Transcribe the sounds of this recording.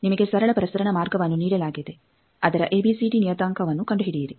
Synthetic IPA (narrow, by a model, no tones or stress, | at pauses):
nimɐɡe̞sɐɾɐɭɐpɐɾɐsɐɾɐɳɐmaːɾɡɐʋɐnːuniːɽɐlaːɡid̪e̞ | ɐd̪ɐɾɐʔeːbisiːɖinijɐt̪aːŋkʰɐʋɐnːukɐɳɖuɦiɽijiɾi